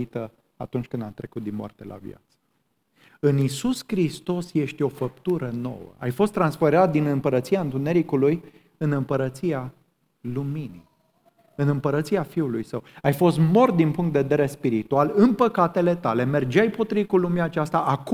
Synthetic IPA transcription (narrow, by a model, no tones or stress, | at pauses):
it̪ə | a̰t̪unt͡ʃʲkɨnd̪at̪ɾe̞kut̪̚d̪inmowa̰rt̪ḛlʔa̰vj̰a̰t̪sə̥ | ɨnisuskɾist̪o̞sje̞ʃt̪ʲo̞fəpt̪uɾəno̞̰wə̰ajfo̞st̪ːɾansfeɾat̪̚d̪inɨmpəɾət̪siaɨnt̪une̞ɾikuluj | ɨnɨmpəɾət̪sia | lumini | ɨnɨmpəɾət̪siafiulujsəwajfo̞st̪mo̞rt̪̚d̪inpuŋkt̪eved̪eɾespiɾit̪ualɨnpəkat̪e̞le̞t̪ale̞me̞rd͡ʒajpo̞t̪ɾiikulumeaːt͡ʃast̪aʔak